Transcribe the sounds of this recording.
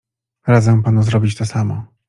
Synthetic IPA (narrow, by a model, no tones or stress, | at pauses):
ɾad̪zɛ̃panuzɾɔbʲit͡ɕt̪ɔsamɔ